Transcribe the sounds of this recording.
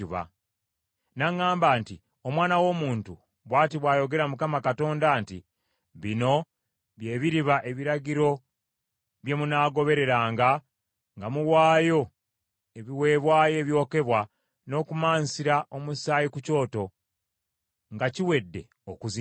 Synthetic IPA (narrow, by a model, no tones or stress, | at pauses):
uβa̰ | naŋːaːmbaːnti | o̞mwaːnawo̞ːmuːntu | βwaːtiβwaːjo̞ɡe̞ɾamukamakato̞ːndaːnti | βino̞ | βje̞ːβiɾiβaʔe̞βiɾaɟiɾo̞ | βje̞munaːɡo̞βe̞ɾe̞ɾaːŋɡa | ŋɡamuwaːjo̞ | e̞βiwe̞ːβwaːje̞ːβjo̞ːke̞βwa | no̞ːkumaːnsiɾaʔo̞musaːjikuco̞ːto̞ | ŋɡaciwe̞dːe̞̰ | okuzi